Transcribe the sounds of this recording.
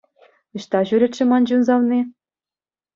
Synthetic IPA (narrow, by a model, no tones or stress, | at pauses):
ɤ̆ɕt̪ɑʑyɾʲĕt̪ʲʃɘ̆mɑnd͡ʑunzɑlni